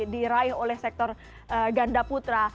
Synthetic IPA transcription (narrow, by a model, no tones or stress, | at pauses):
diɾaɪɦolɛhsɛk̚t̪ɔr | ʔəɡandaput̪ɾa